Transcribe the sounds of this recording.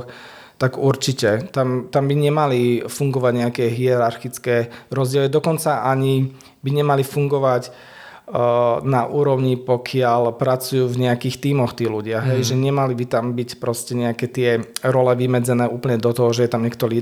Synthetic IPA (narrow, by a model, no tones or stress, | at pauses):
x | t̪aɡuɾt͡ʃicɛt̪amt̪ambiɲɛmalifuŋɡɔʋaɟɲɛakɛɦiɛɾaɾxit͡skɛːɾɔzɟɪɛlid̪ɔkɔnt͡saʔaɲi | biɲɛmalifuŋɡɔʋac | naʔuːɾɔʊɲipɔkʰɪalpɾat͡sujuːvɲɛakiːxt̪iːmɔxt̪iːluɟɪaɦɛjʒɛɲɛmalibit̪ambicpɾɔscɛɲɛakɛt̪ɪɛɾɔlɛʋimɛd͡zɛnɛːuːpl̩ɲɛd̪ɔt̪ɔɦɔʒɛjɛt̪amɲɛkt̪ɔɾiː